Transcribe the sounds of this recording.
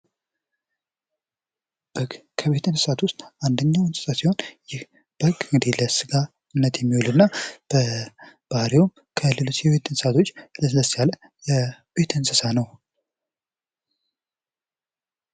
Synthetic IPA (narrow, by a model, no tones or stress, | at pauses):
b̥əɡkʰəβe̞t̪ɨnsɨsat̪wʊst̪ʼʔand̪əɲːawɨnsʼɨ̥sasiho̞njɪh | b̥əɡɨŋɡɨd̪iləsɨɡa | ɨnːət̪jɛmːiwulɨnːab̥əb̥aɾewum | kʰəlɨlusjɛβe̞t̪ʰɨnsat̪ʰo̞t͡ʃːləsɨləsjalə | jɛbe̞t̪ʰɨnsɨsanəw